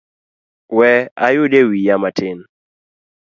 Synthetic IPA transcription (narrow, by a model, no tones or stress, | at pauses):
wɛa̰jʊdewijamatʰɪn